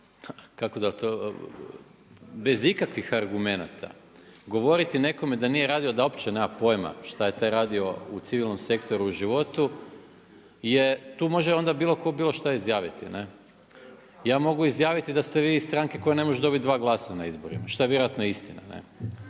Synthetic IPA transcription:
kako̞d̪at̪o | be̞zikakʋixaɾɡume̞na̰t̪ʰa̰ | ɡo̞ʋo̞ɾit̪ine̞ko̞me̞d̪anijeɾaːd̪io̞d̪ao̞pt͡ɕenemapo̞jma̰ʃt̪aje̞t̪ajɾaːd̪io̞ut̪siʋilˠno̞mse̞kt̪o̞ɾuːʒiʋo̞t̪u | je̞t̪uːmo̞ʒeo̞nd̪abiːlˠo̞ko̞biːlo̞ʃt̪aizjaːʋit̪ine̞ | jaːmo̞ɡuizjaːʋit̪id̪ast̪eʋiːst̪ɾaŋke̞ko̞jene̞mo̞ʒud̪o̞bit̪̚d̪ʋaːɡlˠaːsanaizbo̞ɾḭmaʃt̪oeʋjeɾojat̪noist̪ina̰nḛ

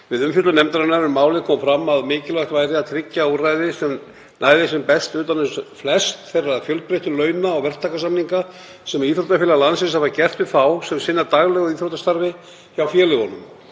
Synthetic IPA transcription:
vɪðʏmfjʏt̪lʏnɛmt̪aɾanaɾʏmmaːwlɪkʰɔːmfɾamːaðmɪːcɪlvajht̪vaːjɾɪat̪ʰɾɪcːaurajðɪsɛm | naːjðɪsɛmpɛst̪ʏːt̪anʏsflɛst̪θejraðfjœlt̪̚pɾejht̪ʏlœːɥnaːwvɛr̥t̪ʰakas̬amniŋka | sɛmɾiːθɾot̪afɪːlalansɪnsavaɾcɛr̥t̪vɪθawsɛmsɪnːaɾt̪aɣlɛɣɔiːθɾot̪ast̪aɾvɪ | çawfjɛːlɪɣɔnːʏm

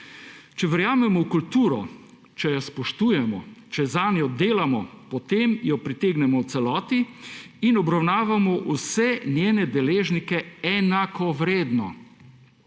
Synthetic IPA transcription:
t͡ʃɛʋɛɾjaːmɛmɔwkult̪uːɾɔ | t͡ʃɛjaspɔʃt̪uːjɛmɔ̰t͡ʃɛzanjɔd̪eːlamɔpɔt̪emjɔpɾit̪eːɡnɛmɔw̪sɛlɔːt̪iː | nɔbɾawnaːʋamɔʔusɛnjeːnɛd̪ɛleːʒnikɛɛnakɔʋɾeːd̪nɔ̰

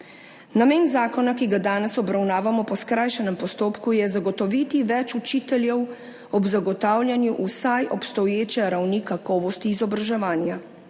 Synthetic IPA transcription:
nameːnzaːkɔnakiɡad̪aːnɛsɔbɾawnaːʋamɔpɔskɾajʃɛnɛmpɔst̪oːpkujɛzaɡɔt̪ɔʋit̪iʋɛt͡ʃut͡ʃiːt̪ɛljɛw | ɔbzaɡɔt̪aːwlʲjanjuʔusajʔɔpst̪ɔjeːt͡ʃɛɾawnikakɔːʋɔst̪iːzɔbɾaʒɛʋaːnja

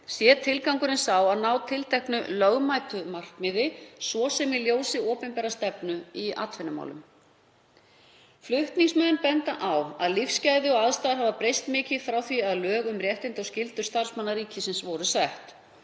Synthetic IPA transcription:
sjɛːt̪ʰɪlkawŋkʏɾɪnsawaðnaːwt̪ʰɪlt̪ʰɛhknʏ̰lœɣmajt̪ʏmar̥kmɪðɪsvɔsɛmɪljoːwsɪɔːpɛnpɛːɾast̪ɛpnʏia̰t̪fɛnːʏma̰wlʏ̰m | flʏht̪niŋsmœðnpɛnt̪aʔawva̰ðlifscaːjðɪɔɣaðst̪ajðɾ̥havapɾejst̪mɪːcɪð̥fɾawθviaðlœːɣʏmrjɛht̪ɪnt̪ascɪlt̪ʏ̥st̪aɾ̥smanːaɾiːcʰɪsɪnsvɔɾʏsɛht̪

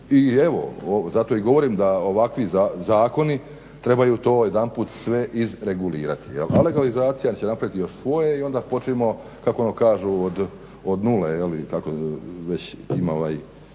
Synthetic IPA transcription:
ieʋo̰ozat̪o̞iɡo̞ʋo̞ɾiːmd̪aoʋakʋizazaːko̞ni | t̪ɾe̞bajut̪o̞ːjed̪anpuːt̪sʋe̞ʔizɾe̞ɡuliːɾa̰t̪i̥jela̰le̞ɡalizaːt̪sijant͡ɕenapɾaʋit̪ijo̞ʃsʋo̞jeio̞nd̪apo̞t͡ʃeimo̞ | kakoonokaːʒuod̪ | od̪nulejelikakoʋe̞t͡ɕimoʋaj

